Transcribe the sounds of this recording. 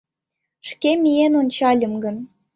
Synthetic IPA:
ʃkemijenonʲt͡ɕɑlʲə̆mɡən

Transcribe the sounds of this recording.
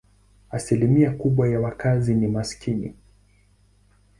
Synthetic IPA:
asilimiakuɓwajawakazinimaskinḭ

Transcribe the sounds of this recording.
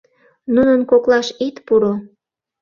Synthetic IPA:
nunənkoklɑʃit̪puɾo

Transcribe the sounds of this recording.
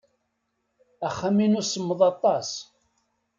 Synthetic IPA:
æχːæminusəmːəðˤɑt̪ˤːɑs

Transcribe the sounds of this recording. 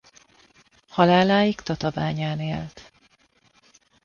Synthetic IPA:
hɒlaːlaːjikt̪ɒt̪ɒvaːɲaːneːlt̪

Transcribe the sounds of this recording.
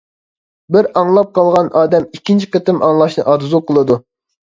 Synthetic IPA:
bɪɾɑŋlˠɑp̚qʰɑlˠʁɑnɑːd̪ɛmikʲːint͡ʃʰi̥qət̪ɨmʔɑŋlˠɑʃnɨʔɑɾzuqʰəlˠɨd̪u

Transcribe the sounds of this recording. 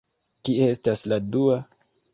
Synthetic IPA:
kieestasladua

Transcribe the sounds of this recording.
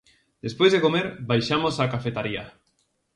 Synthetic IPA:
d̪̥espwezðekomeɾbajʃamosakafet̪aɾia

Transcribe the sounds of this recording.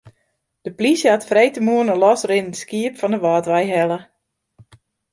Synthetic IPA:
d̥əplisjəhatfrejtəmuənəlɔsrɪnəskiəpfɔndəʋɔːtʋɛjɦɛlə

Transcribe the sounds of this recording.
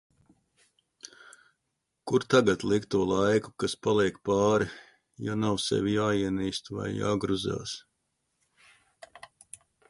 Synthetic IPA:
kuɾt̪aɡat̪lˠikt̪uɔlˠajku̥kaspalˠiɛkpɑːɾi | janawsɛ̰vijaːiɛniːst̪va̰jja̰ːɡɾuza̰ːs

